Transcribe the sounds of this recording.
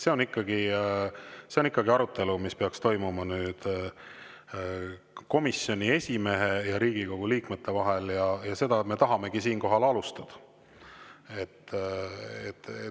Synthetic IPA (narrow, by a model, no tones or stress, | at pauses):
se̞o̞nikːɑɡi | se̞o̞nikːɑɡiɑɾut̪ːˑe̞lumispe̞ɑkst̪o̞jmumɑnyːd̪̥ | ko̞misːjonʲie̞sʲime̞ɦe̞jɑɾiːɡ̥iko̞ɡ̥uliːkme̞t̪ːe̞vɑɦe̞ljɑjɑse̞d̪̥ɑt̪me̞t̪ɑɦɑme̞ɡ̥isiːnko̞ɦɑlɑlust̪ɑd̪̥ɑ̥ | e̞t̪ː | et̪ː